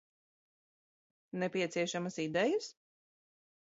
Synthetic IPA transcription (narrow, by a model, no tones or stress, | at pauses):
nɛpʲiɛt̪siɛʃamasid̪ɛjɐs